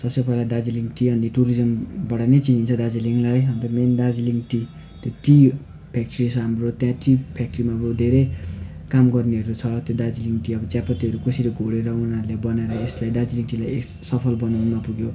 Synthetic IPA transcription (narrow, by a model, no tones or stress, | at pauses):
sʌbsʌpʌilad̪ad͡ziliŋʈiʌnd̪iʈuɾid͡zʌmbʌɽanet͡siɦint͡sʰʌd̪ad͡ziliŋlajɦʌnt̪ʌmend̪ad͡ziliŋʈi | t̪joʈi | pʰak̚ʈrisʰʌɦamrot̪jãʈipʰjak̚ʈrimamod̪ʱeɾekamɡʌrniɦʌɾut͡sʰʌt̪jod̪ad͡ziliŋʈiʌbʌt͡sjapʌt̪iɦʌɾukʌsiɾeɡʱoɽeɾʌunɦaɾulebʌnaeɾʌeslajd̪ad͡ziliŋʈilajek | sʌpʰʌlbʌnanʌpuɡjo